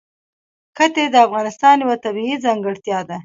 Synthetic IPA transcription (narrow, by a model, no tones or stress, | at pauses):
kət̪ed̪əafɣɑnɪst̪ɑnjawat̪abiizɑŋɡəɽt̪jɑd̪a